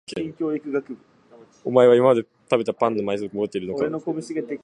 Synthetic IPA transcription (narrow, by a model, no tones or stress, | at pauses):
kẽŋkʲoːikɯ̟ɡakɯ | o̰mae̞βaimamad̪e̞ | t̪abe̞t̪apãnːomaisokɯmod̪o̞t̪ːeiɾɯnokaɾenokobɯsiɡad̪e